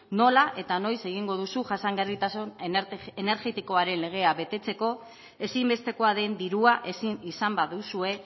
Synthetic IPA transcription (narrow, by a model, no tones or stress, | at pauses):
no̞laʔe̞t̪ano̞jse̞ɣ̞iŋɡo̞ðusuʝasaŋɡarit̪asonene̞ɾʝe̞t̪iko̞aɾe̞nle̞ɣ̞e̞aβe̞t̪e̞t͡se̞ko̞ | e̞simbe̞st̪e̞ko̞aðe̞nd̪iɾuaʔe̞sinisambaðusue̞